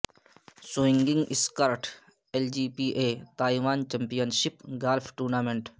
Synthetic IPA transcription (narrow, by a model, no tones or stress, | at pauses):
sʊɪ̃ŋɡɪ̃ŋɡɪskəɾʈ | eld͡ʒiːpiːʔeːt̪aːiʋaːnt͡ʃɐ̃mpijənʃɪpɡaːlfʰʈuːɾnaːmẽɳʈ